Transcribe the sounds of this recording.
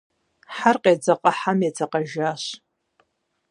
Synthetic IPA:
ħarqʼed͡zaqʼaħamet͡sʰaqʼaʒaʃ

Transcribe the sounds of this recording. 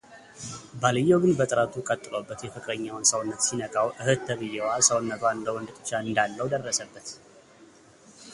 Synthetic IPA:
balɨjːɛwɡɨnbət̪ʼɨɾat̪ʰukʼət̪ʼːɨlobːət̪jɛfɨkʼɾəɲːawnsəwnːət̪sinəkʼawʔɨhɨt̪ːʰəβɨjːɛwasəwnːət̪waɨnd̪əwɔnd̪ɨt̪ʼɨ̥t͡ʃːaɨnd̪alːəwd̪ərːəsəbːət̪

